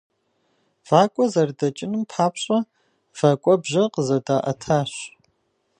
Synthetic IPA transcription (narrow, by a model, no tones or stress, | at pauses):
v̥aːkʷʼɔzɐrdɐt͡ʃʼɪnɨmpʰaːpʰɕʼɐ | v̥aːkʷʼɔbʑɐqəzɐdaːʔɐ̰tʰaːɕ